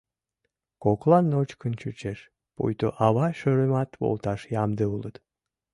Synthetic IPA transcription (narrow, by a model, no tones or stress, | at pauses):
koklˠɑnːot͡ʃkənt͡ʃʰut͡ʃeʃ | po̰jt̪oʔɑβɑʃøɾemɑt̪bo̰lˠt̪ɑʃjɑmd̪əulˠət̪